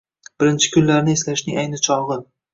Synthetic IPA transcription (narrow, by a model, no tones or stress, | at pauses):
b̥ɪɾɪnt͡ʃʰɪ̥kʲʰʊnlaɾnɪeslaʃnɪŋajnɪt͡ʃʰɒlˠʁɨ